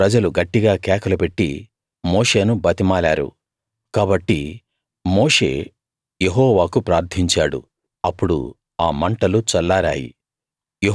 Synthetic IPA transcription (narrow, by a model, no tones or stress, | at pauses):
pɾɐd͡ʒɐluɡɐʈːiɡaːkɛːkɐlupe̞ʈːḭ | mo̞ːʂe̞ːnubɐt̪imaːlaːɾṵ | kaːbɐʈːi | mo̞ːʂe̞̰ː | jeɦɔːʋaːkupɾaːɾt̪ʰiɲt͡ʃaːɽṵ | ɐpːuɽṵ | aːmɐɳʈɐlut͡ʃɐlːaːɾaːjḭ | je